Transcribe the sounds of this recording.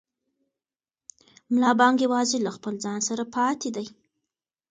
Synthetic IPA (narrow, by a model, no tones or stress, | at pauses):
mlɑbɑŋɡjewɑzelaxpəld͡zɑnsaɾapɑt̪ed̪aj